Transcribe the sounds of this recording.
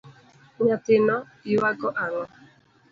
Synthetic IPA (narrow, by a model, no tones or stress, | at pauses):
ɲatɪnɔ | iwaɡɔʔaŋɔ